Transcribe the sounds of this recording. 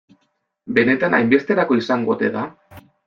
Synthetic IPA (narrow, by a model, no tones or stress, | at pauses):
be̞ne̞t̪ana̰jmbe̞st̪e̞ɾako̞isaŋɡo̞t̪e̞ða